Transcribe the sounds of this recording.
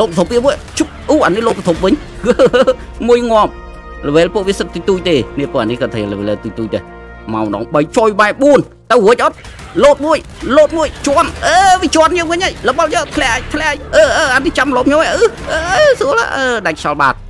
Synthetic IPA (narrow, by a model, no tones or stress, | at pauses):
loːtp̚ət̪ʰop̚ʋiəmuəj | t͡ɕup̚ʔuːʔaniloːp̚ət̪ʰop̚ʋɨɲ | kɨəə | muəjŋŏəm̚ | ləʋeːlpuəʔʋiəsət̪̚ːuːt̪uːc̚t̪eːniəpuəʔanihkɑːt̪ʰələʋɛ̰ːlət̪uːc̚t̪uːc̚t̪e | maɔməɗɑ̰ːŋɓəjt͡ɕoːjɓaɛʔɓuən | t̪əwɦoəc̚ʔɔt̪̚ | loːt̪̚muəj | loːt̪̚muəjt͡ɕɔənʔəːʋiət͡ɕoənɲiəŋʋɨɲʔaːjləɓɑljəʔ̚pʰlɛʔaːj̚p̪ʰlɛʔaːj̚ʔəːəːanit͡ɕamloːp̚ɲoaʔɨʔəːəsuəla̰ʔəːɗaɛkʰt͡ɕɑlɓa̰ːt̪̚